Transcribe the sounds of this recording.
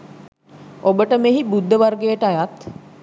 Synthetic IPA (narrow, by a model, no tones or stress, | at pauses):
obəʈəmeɦibud̪ʱːəʋarɡejəʈəajat̪